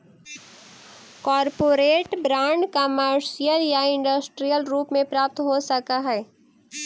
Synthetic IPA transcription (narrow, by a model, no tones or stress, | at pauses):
kɔːɾpoːɾeːʈbɾãːɳɖkəməɾʃijəljaɪ̃ɳɖəsʈɾijəlɾuːpmẽpɾaːp̚t̪ɦosəkaɦɛː